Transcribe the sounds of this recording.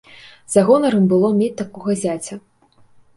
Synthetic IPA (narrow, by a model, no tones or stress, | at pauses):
zaɣɔnɐɾɨmbɨlˠɔmʲet͡sʲt̪akɔɣɐzʲat͡sʲɐ